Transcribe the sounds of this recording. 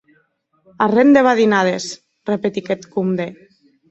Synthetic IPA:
aremd̪eβaðinað̞es | repet̪iket̪kumd̪e

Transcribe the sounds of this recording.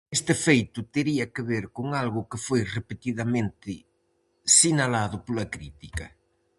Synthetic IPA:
est̪ɪfejt̪ʊt̪eɾiɐkɪβeɾkoŋalɣʊkɪfojrepet̪iðɐmẽnt̪ɪ | sinalaðʊpolɐkɾit̪ikɐ

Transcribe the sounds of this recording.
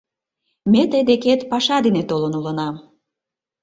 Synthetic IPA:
met̪əjd̪eket̪pɑʃɑd̪enet̪olənulənɑm

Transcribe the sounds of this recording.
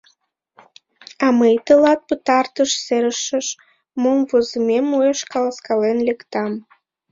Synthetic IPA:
ɑməjt̪əlɑt̪̚pət̪ɑrt̪əʃseɾəʃəʃ | momvozəmemoeʃkɑləskɑlenlekt̪ɑm

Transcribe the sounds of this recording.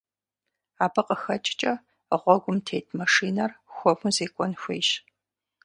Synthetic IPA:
aːbɨqʼəxɐt͡ʃʼɪ̥t͡ʃʼɐ | əʁʷɔɡʷʊmtʰeːjtʰmɐʂiːnɐrxʷɔpuzeːkʷʼɔnxʷejʃ

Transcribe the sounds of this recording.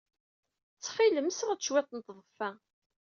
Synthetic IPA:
t͡sːχiləmsʁat͡ʃːwæt̪ˤnt̪ðˤəfæ

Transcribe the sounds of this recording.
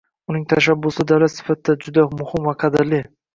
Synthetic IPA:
ʊnɪŋt̪ʰaʃabːʊsɪd̪awlat̪sɪ̥fat̪d̪ad͡ʒʊd̪amʊhɪmvaqʰɑd̪ɪɾlɪ

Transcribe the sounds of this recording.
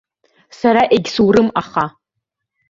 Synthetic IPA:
saɾaʔeɡʲsuwrɨmaχa

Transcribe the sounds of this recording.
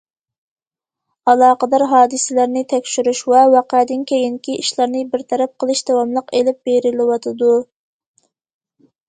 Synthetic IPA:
ɑlˠɑːqəd̪ɑɾɦɑːd̪ɨsɪlæɾnɪt̪ʰɛkʲʃyɾyʃwɛwɑqæd̪ɪnkʲʰejinkʲiiʃlˠɑɾnɪbɪɾt̪ʰɛɾɛp̚qʰəlˠɨʃd̪ɑwɑmlˠəqelɪp̚beɾɪlɪwɑt̪ʰɨd̪u

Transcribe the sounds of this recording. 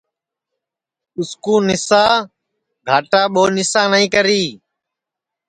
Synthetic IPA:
ʊskũːnɪsãː | ɡʱaːʈaːɓoːnɪsãːnəĩːkəɾiː

